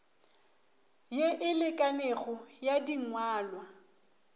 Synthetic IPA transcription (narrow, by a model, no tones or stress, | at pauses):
jeʔɪlɪkʼaneɣɔjadiŋwaːlwa